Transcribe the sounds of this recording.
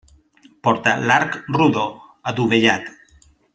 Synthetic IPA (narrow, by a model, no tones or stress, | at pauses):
pɔɾt̪alaɾkruðo | ad̪uβeʎat̪